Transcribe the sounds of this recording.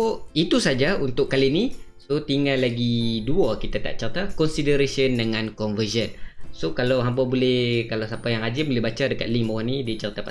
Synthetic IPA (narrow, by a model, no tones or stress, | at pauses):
oit̪usad͡ʒaunt̪ʊʔkːalinisot̪iŋalːaɡiduakit̪at̪a̰ʔt͡ʃərt̪akɔnsidəɾesiəndəŋãnkɔnvəd͡ʒənsokalawɦampabolɛhkalawsapajaŋɦad͡ʒɪmbolɪhbat͡ʃadəka̰t̪̚liŋmawanidit͡ʃəɾit̪apa